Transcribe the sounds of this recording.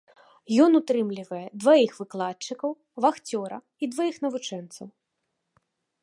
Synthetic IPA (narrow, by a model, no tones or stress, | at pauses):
jɔnut̪ɾɨmlʲivɐjɛd̪vajixvɨklˠat̚t͡ʂːɨkɐw | vaxt͡sʲɔɾɐ̰ | id̪vajixnɐvut͡ʂɛnt̪sɐw